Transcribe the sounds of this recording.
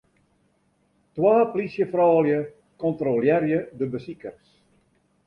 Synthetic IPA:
twaːplisjəfrɔːljə | kɔntroljɛrjədəbəsikərs

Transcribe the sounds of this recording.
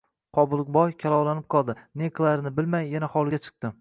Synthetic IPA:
qʰɒbʊlˠɨk̚bɒjkʲʰalˠɒwlanɪp̚qʰɒlˠd̪ɪneqʰlˠaɾɪnɪbɪlmajːanahɒlˠɪɡʲat͡ʃʰɨ̥q̚t̪ɪ

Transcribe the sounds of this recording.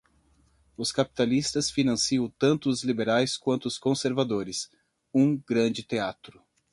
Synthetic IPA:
ʊskapi̥t̪alist̪ɐsfinɐ̃siɐ̃w̃t̪ɐ̃nt̪ʊːzlibeɾajskwɐ̃nt̪ʊʊskõseɾvad̪oɾɪs | ũɡɾɐ̃d͡ʒɪt̪eat̪ɾʊ

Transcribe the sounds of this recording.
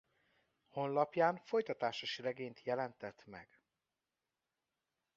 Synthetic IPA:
ho̞nlɒpjaːnfo̞jt̪ɒt̪aːʃoʃirɛɡeːnt̪jɛlɛnt̪ɛt̪mɛ̰ɡ̥

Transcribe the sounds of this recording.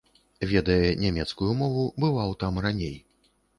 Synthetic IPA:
vʲɛd̪ɐjɛnʲamʲɛt̪skujumɔvubɨvawt̪amranʲej

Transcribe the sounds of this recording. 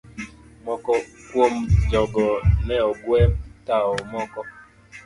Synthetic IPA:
mɔkɔkwomd͡ʒɔɡɔnɛɔɡwɛtaɔmɔkɔ

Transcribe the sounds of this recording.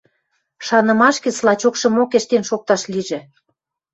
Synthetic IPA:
ʃɑnɤ̆mɑʃkĕslɑt͡ɕokʃɤ̆mokeʃt̪enʃok̚t̪ɑʃliʒĕ

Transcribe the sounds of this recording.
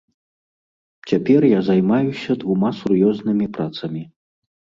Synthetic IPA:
t͡sʲapʲɛrjazajmajusʲɐd̪vumasurjɔznɨmʲipɾat̪sɐmʲi

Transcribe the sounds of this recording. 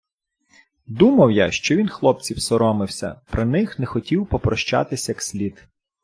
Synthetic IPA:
d̪umɐwjaʃt͡ʃɔʋʲinxlˠɔp̚t͡sʲiwsɔɾɔmɪwsʲɐ̰pɾɪnɪxnɛxɔtʲiwpɔpɾɔʃt͡ʃa̰t̪ɪsʲjɐksʲlʲit̪

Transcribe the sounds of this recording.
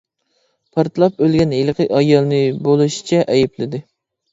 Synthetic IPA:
pʰɑɾt̪lˠɑp̚ølɡʲɛnɦelˠqʰɨɑjɑlˠnɨbolˠuʃi̥t͡ʃʰɛʔɛjiplɪd̪ɪ

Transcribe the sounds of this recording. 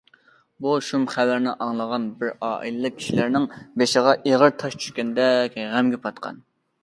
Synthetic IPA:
buʃumχævæɾnɪʔɑŋlˠəʁɑnbɪɾɑːʔḭlɨlɨk̚kʲʰi̥ʃilæɾnɪŋbeʃɪʁɑʔeʁəɾt̪ʰɑʃt͡ʃʰy̥ʃkʲɛnd̪ɛkʲʁæmɡʲɛpʰɑt̪qʰɑ̰n

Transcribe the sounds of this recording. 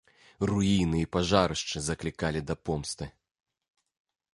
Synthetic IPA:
ruinɨipaʐaɾɨʂt͡ʂɨzɐklʲikalʲid̪ɐpɔmst̪ɨ

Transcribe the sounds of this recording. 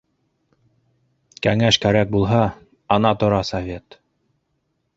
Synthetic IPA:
kæŋæʃkæɾæk̚bulˠɦɑː | nɑt̪ŏɾɑsɐvʲe̞t̪

